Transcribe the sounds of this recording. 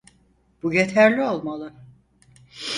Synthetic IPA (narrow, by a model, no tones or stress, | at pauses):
b̥ujet̪ʰæɾlʲio̞lˠmalˠɯ